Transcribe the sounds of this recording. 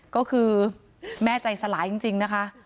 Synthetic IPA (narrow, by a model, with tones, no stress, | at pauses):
kɔː˥˩kʰɯː˧ | mɛː˥˩t͡ɕa˨˩jsa˧laː˩˦jt͡ɕi˧ŋt͡ɕi˧ŋna˦˥kʰa˦˥ʔ